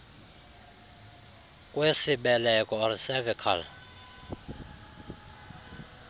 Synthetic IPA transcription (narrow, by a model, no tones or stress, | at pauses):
kʼwesiɓɛlɛkʼɔɔrsɛvɛkʰa̰l